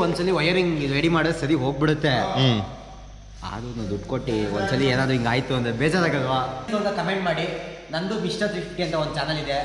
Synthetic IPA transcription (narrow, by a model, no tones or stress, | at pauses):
ond̪sɐlːiʋɐjɐɾiŋɡid̪ueːɽimaːɽɖ̪esɐɾiɦo̞ːɡ̚biɽut̪ːe | a̰ːd̪unɐnd̪uʈkoʈːiond̪sɐlːieːnaːd̪ɾuiŋɡaːjt̪uɐnd̪ɾebeːd͡ʒaːɾaːɡɐlʋaːk̪oɡ̪ɐkɐmeɳʈ̚maːɽi | nɐnɖumiʂʈɐsifʈiɐnt̪ɐond̪ut͡ʃaːnɐlid̪e